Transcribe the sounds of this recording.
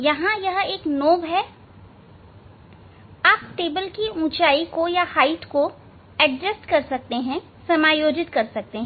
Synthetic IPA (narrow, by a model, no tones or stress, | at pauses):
jɐɦãjɐɦeːknoːbɦɛ | aːp̚ʈeːbəlkiũːt͡ʃaːikojahaːɪʈko | ɛɖd͡ʒəsʈkɐɾsɐk̚t̪eɦɛ̃ | sɐmaːjoːd͡ʒɪt̪kɐɾsɐk̚t̪eɦɛ̃